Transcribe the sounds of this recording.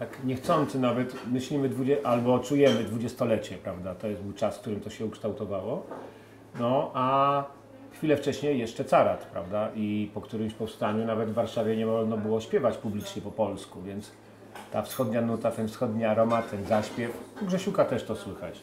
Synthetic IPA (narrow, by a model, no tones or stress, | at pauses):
t̪akɲɛxt̪sɔnt̪sɘnavɛt̪mɘɕlʲimɘd̪vud͡ʑɛʔalbɔt͡ʂujɛmɘd̪vud͡ʑɛst̪ɔlɛt͡ɕɛpɾavd̪at̪ɔjɛsbɘwt͡ʂaskt̪uɾɘmt̪ɔɕɛukʂt̪awt̪ɔvawɔ | nɔʔa | xfʲilɛft͡ʂɛɕɲɛjɛʂt͡ʂɛt̪saɾat̪pɾa̰vd̪aʔipɔkt̪uɾɘmɕpɔfst̪aɲunavɛd̪vːaɾʂavʲjɛɲɛmɔʐnɔbɘwɔɕpʲjɛvat͡ɕpublʲit͡ʂɲɛpɔpɔlskuvʲjɛnt̪s | t̪afsxɔd̪ɲanut̪at̪ɛnfsxɔd̪ɲiaɾɔmat̪ʰɛnzaɕpʲjɛfɔɡʐɛɕukat̪ɛʂt̪ɔswɘxa̰t͡ɕ